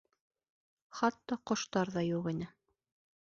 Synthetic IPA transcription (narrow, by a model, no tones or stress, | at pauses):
χɑt̪ːɑqŏʃt̪ɑɾðɑjuʁinɘ